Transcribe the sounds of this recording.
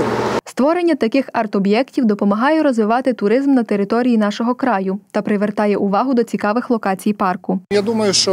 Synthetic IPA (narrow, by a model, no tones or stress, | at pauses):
st̪ʋɔɾe̞nʲːɐt̪ɐkɪxɐrt̪ɔbjɛktʲiwd̪ɔpɔmɐɦɑjɛɾɔzʋɪʋɑt̪ɪt̪ʊɾɪzmnɐt̪eɾɪt̪ɔɾʲijinɑʃɔɦɔkɾɑjʊt̪ɐpɾɪʋert̪ɑjɛʔʊʋɑɦʊd̪ɔt͡sʲikɑʋɪxlˠɔkɑt͡sʲijpɑrkʊjad̪umɐjʊʃt͡ʃɔ